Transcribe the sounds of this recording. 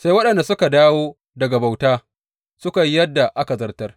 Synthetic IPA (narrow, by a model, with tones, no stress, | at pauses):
sa˦jwɐ˦ɗɐ˨nda˨sʊ˦ka˨daː˦woː˦ | dɐ˨ɡa˨ba˨wtaː˦ | sʊ˦ka˨ji˦jɐ˦dːa˨ʔa˦ka˨zɐ˦rtɐ˦r